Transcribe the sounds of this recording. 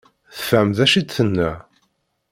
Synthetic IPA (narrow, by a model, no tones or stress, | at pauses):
θə̥fæmðæʃid̪θənːæ